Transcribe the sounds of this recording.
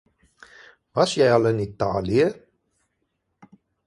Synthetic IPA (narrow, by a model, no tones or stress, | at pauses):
vɐsjɛjɑlˠənita̰ːliə